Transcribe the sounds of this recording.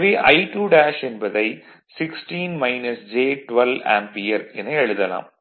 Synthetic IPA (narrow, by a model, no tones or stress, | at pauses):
ʋiʔɐ̰ɪʈuːɖaːʃɛnbɐðɐɪ | sɪksʈiːnmɐɪnɐsd͡ʒeːʈʋɐlʋa̰ːmpiːɐɾɛnːɐɛɻɯðɐla̰ːm